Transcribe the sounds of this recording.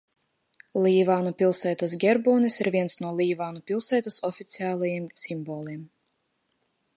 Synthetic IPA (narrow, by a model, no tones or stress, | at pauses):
lʲˠiːvaːnupʲilˠsɛːt̪as̬ɡʲɛɾbuːnisiɾvʲiɛnsnuɔlˠiːvaːnupʲilˠsɛːt̪asɔfʲit̪sʲiaːlˠajimsʲimbɔːlʲˠiɛm